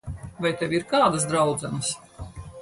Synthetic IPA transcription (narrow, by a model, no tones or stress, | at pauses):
vajt̪ɛvʲiɾkaːd̪ɐs̬d̪ɾawd̪zɛnɐs